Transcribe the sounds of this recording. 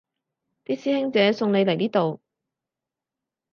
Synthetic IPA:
p̪iː˥t̚siː˥hɪ˥ŋt͡sɛː˨˥sʊ˧ŋne˨˧jlɐ˨˩jniː˥t̪o˨w

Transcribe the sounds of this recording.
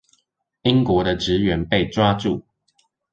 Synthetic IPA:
i˦ŋkwɔ˨˦d̪ə˧ʈ͡ʂɻ̩˨˦ɥɛ˨˦npe˥˨ɪʈ͡ʂwa˦ʈ͡ʂu˥˨

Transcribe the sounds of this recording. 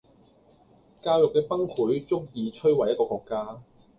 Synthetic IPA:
kaː˧wjʊ˨k̚kɛː˧pɐ˥ŋhuː˨˥jt͡sʊ˥k̚jiː˧t͡ʃʰɵ˥ɥwɐ˨jɐ˥t̚kɔː˧kɔː˧kːaː˥

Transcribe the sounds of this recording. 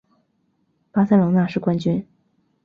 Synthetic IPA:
pa˥sa˥ɪlʊ˧˥ŋna˥˧ʂɻ̩˥˩kwa˥nt͡ɕy˥n

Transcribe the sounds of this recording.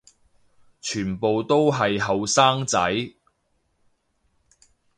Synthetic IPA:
t͡ʃʰyː˨˩npo˨wt̪o˥wɦɐ˨jɦɐ˨wsaː˥ŋt͡sɐ˨˥j

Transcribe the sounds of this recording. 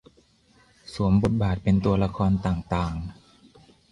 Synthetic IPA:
su˩˦əmbo˨˩t̪̚baː˨˩t̪̚pe˧nt̪u˧ɐla˧kʰɔː˧nt̪aː˨˩ŋt̪aː˨˩ŋ

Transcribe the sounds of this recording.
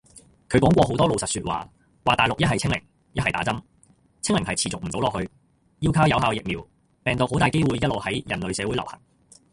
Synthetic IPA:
kʰɵ˨˧ɥkwɔː˨˥ŋkʷɔː˧ɦo˨˥wt̪ɔː˥lo˨wsɐ˨t̚syː˧t̚wa̰ː˨ | waː˨t̪aː˨jlʊ˨k̚jɐ˥t̚hɐ˨jt͡sʰɪ˥ŋlɪ̰˨˩ŋ | jɐ˥t̚hɐ˨jt̪aː˨˥t͡sɐ˥m | t͡sʰɪ˥ŋlɪ˨˩ŋɦɐ˨jt͡sʰiː˨t͡sʊ˨k̚m̩˨˩o˨˥wlɔː˨k̚hɵ˧ɥ | ji˥wkʰaː˥wjɐ˨wɦaː˨˧wjɪ˨k̚miː˨˩w | pɛː˨ŋt̪o˨who˨˥wt̪aː˨jke˥jwuː˨˧jɐ˥t̚lo˨whɐ˨˥jjɐ̰˨˩nlɵ˨˧ɥsɛː˨˧wu˨˥lɐ̰˨˩whɐ̰˨˩ŋ

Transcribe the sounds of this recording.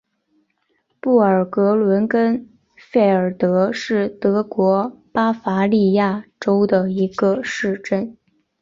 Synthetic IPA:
pu˥˩ə˞˨˩kɤ˧˥lwə˧˥nkə˥n | fe˥˩ɪə˞˨˩t̪ɤ˧˥ʂɻ̩˥˩t̪ɤ˧˥kwɔ˧˥pa˥fa˧˥li˥˧ja˥˩ʈ͡ʂo˥ʊd̪ə˨i˧˥ɡə˧ʂɻ̩˥˧ʈ͡ʂə˥˩n

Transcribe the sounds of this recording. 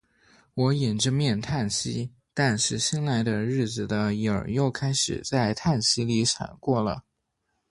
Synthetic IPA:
wɔ˧˥i˨˩nʈ͡ʂɻ̩˥mjɛ˥˧nt̪ʰa˥˩nɕḭ˥ | t̪a˥˧nʂɻ̩˥˩ɕi˥nla˧˥ɪd̪ə˧ɻɻ̩˥˩d͡zɹ̩˨˩d̪ə˦i˧˥˩ə̰˞˨˩jo˥˩ʊkʰa˥ɪʂɻ̩̰˨˩t͡sa˥˧ɪt̪ʰa˥˩nɕi˥li˧˥ʂʰa̰˨˩nkwɔ˥˩lə̰˩

